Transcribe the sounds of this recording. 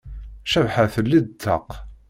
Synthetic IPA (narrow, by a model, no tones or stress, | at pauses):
ʃævħaθəlːid̪t̪ʰːə̰q